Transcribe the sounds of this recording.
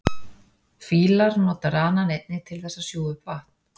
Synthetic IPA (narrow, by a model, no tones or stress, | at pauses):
fiːlaɾnɔːt̪aɾaːnanejt̪nɪt̪ʰɪlθɛsːasjoːwʏpvaht̪nn̥